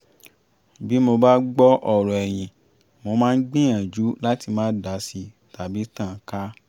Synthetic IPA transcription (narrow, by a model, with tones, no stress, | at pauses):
bi˦mo˧ba˦ɡ͡bɔ˦ʔɔ˨ɾɔ˨ɛ˨j̃ĩ˨ | mo˧mãː˦˧n̩˦ɡ͡bĩ˦ã˨d͡ʒu˨˦la˦ti˧mãː˦da˨˦si˧˦ | ta˨bi˨˦tã˦˨ka˦